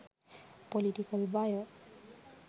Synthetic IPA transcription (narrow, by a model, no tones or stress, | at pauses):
pɔlitikalbajɔ